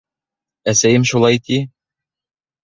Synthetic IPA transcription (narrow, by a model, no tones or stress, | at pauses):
æsæjɘmʃulˠɑjt̪i